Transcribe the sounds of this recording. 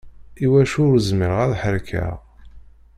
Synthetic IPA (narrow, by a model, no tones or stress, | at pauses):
iwæʃʊɾzməɾəʁæðħəɾkʰæ̰ʁ